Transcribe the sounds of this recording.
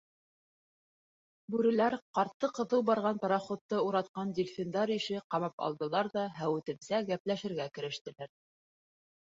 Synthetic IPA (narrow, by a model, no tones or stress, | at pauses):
bʉɾɘ̆læɾqɑɾt̪ːɤqɤ̆ðɤwbɑɾʁɑnp̪ɑɾɑχŏt̪ːɤuɾɑt̪̚qɑnd̪ʲɪlʲfʲɪnd̪ɑɾiʃɘqɑmɑpɑ̰lˠd̪ɤ̆lˠɑɾðɑɦæwɘ̆t̪ɘ̆msæɡæplæʃɘ̆ɾɡækɘ̆ɾɘ̆ʃt̪ɘ̆læɾ